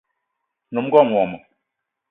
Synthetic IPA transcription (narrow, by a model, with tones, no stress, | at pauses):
nu˨m˦ɡɔ˦˨m˨wɔ˨mə˨